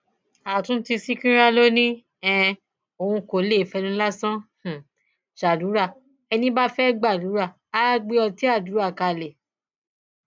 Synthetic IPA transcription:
a˨tũ˦ti˧si˦kĩ˦ɾa˦lo˦nĩ˦ | ɛ̃˧ | o˨ũ˧ko˨˦le˦˨fɛ˧nũ˦la˦sã˦h̩˨ | ʃa˨du˨˦ɾa˦˨ | ɛ˧nĩ˦ba˦fɛ˦ɡ͡ba˦˨du˨˦ɾa˦˨ | a˦˧ɡ͡be˧ɔ˧ti˨˦a˦˨du˨˦a˦˨ka˧˨lɛ˨

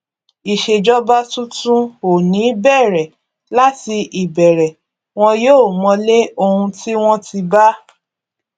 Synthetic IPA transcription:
i˨ʃe˨d͡ʒɔ˦ba˦tũ˦tũ˦o˨nĩ˨˦bɛ˦˨ɾɛ˨ | la˦ti˧ʔi˨bɛ˨ɾɛ˨ | w̃ɔ̃˦joː˦˨mɔ̃˧le˦o˧hũ˧ti˦w̃ɔ̃˦ti˧ba˦

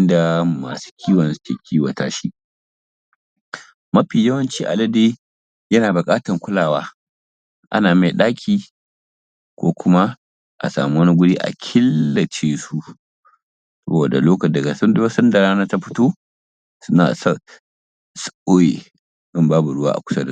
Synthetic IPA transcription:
ʔɪ˦nda˨ma̰ː˨su̥˦kʲʰiː˦wɐ˨nsu̥˦kʲḛː˨kʲʰiː˦wa̰˨taː˦ʃi˦ | mɐ˦ɸiː˨jɐ˦wɐ˦nt͡ʃiː˦ʔa̰˨lɐ˦deː˦ | jɐ˦naː˨bʊ˨kʼaː˦tɐ˨ŋkʷʊ˦laː˨waː˦ | ʔa̰˦naː˨me˨ɗaː˦kʲʰiː˨ | kʷo̰ː˦kʷʊ˦ma˦ | ʔa̰˨sa̰ː˨mu˦wɐ˦ni˦ɡʷʊ˦ɽiː˦ʔa̰˨kʲʰɪ˦lːɐ˨t͡ʃeː˦su˦ʔ | sɐ˦boː˨da̰˨loː˦kɐ˨dɐ˨ɡa˨sdsɐ˦nda˨ɾaː˦naː˦ta˦ɸɪ̥˦toː˦ | sʊ˦na̰ː˨sɐ˦ | sʔoː˦jḛ˨ | sɪ˦˨mbaː˦bu˨ɽʊ˦wa̰ː˦ʔa̰˨kʷʊ̥˦sɐ˦da˨˦

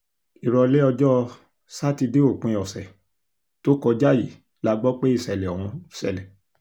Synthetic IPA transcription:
i˨ɾɔ˧lɛ˦ɔ˧d͡ʒɔ˦˧ | sa˦ti˧de˦o˦˨k͡pũ˨˧˨ɔ˨sɛ˨ | to˦kɔ˧d͡ʒa˦˨ji˨ | la˦ɡ͡bɔ˦k͡pe˦i˦˨sɛ˨lɛ˨ɔ˨w̃ɔ̃˧˨sɛ̰˨lɛ˨

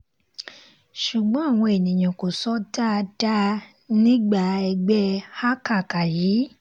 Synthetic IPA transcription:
ʃu˨ɡ͡bɔ̃˨˦a˦˨w̃ɔ̃˧e˨nĩ˨j̃ã˨ko˨sɔ˨˦da˦˧da˦ | nĩ˦ɡ͡ba˦˨ɛ˧ɡ͡bɛ˦ha˦ka˦˨ka˨jiː˨˦

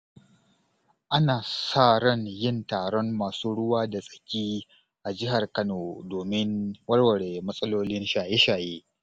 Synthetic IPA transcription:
ʔa˦naː˨saː˦˨ɽɔ˦˨njɪ˦˨ntaː˨ɽɔ˦mːaː˨suː˦ɽʊ˦waː˦da˨sʼɐ̥˨kʲiː˦ | ʔa˨d͡ʒɪ˦ɦa˨rkɐ˦noː˨doː˨mɪ˦nwɐ˦ɽwɐ˨ɽe˨mɐ˦sʼɐ˦loː˦lɪ˦nʃaː˨je˦ʃaː˨jeː˦

